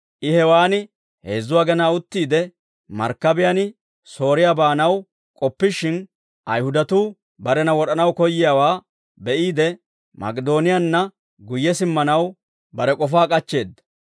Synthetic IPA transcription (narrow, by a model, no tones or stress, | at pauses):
ʔɪhɛwaːnɪ | heːzːʊwaːɡɛnaːʊt̪ːiːd̪ɛ | mɐ̰ɾkːɐbɪjanɪ | so̞ːɾɪjaːbaːnɐw | kʼɔpːɪʃɪn | ʔɐjhʊd̪ɐt̪uː | bɐɾɛnɐwɔɗɐnɐwkɔjːɪjaːwaː | bɛʔiːd̪ɛ | mɐ̰kʼɛd̪o̞ːnɪjanːɐ | ɡʊjːɛsɪmːɐnɐw | bɐɾɛkʼɔfaːkʼɐt͡ʃːe̞ːd̪ːɐ̥